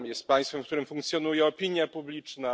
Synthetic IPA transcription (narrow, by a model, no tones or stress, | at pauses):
mjɛst̪̚paj̃st̪fɛmfkt̪uɾɘmfuŋkt̪sʲjɔnujɛɔpʲiɲjapublʲit͡ʂna